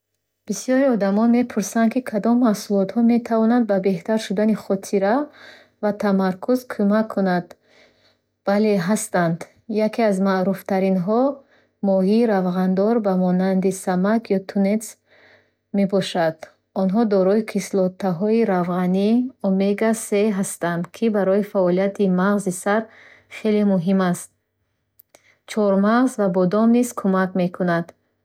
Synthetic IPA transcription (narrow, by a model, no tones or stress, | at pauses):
b̥isijɔɾiɔd̪amɔnme̞pʰuɾsand̪kʰikʰad̪ɔmːahsulɔt̪hɔme̞t̪ʰavɔnand̪̚babe̞ht̪aɾʃud̪aniχɔt̪ʰiɾa | vat̪ʰamaɾkʰuzkʰumakʰːunad̪̥ | vale̞ɦast̪and̪ | jakʰeazmaɾuft̪ʰaɾinɦɔ | mɔɦiːɾavʁand̪ɔɾbamɔnand̪isamakjɔt̪ʰunet̪s | mebɔʃad̪̥ | ɔnɦɔd̪ɔɾɔikʰislɔt̪ʰːaɦɔiɾavʁaniɔmeɡase̞ɦast̪and̪kʰibaɾɔifaɔlijat̪ʰimaʁzisaɾ | χe̞lemuɦimast̪̚ | t͡ʃʰɔɾmaʁzvabɔd̪ɔmniz̥kʰumakme̞kʰunad̪̥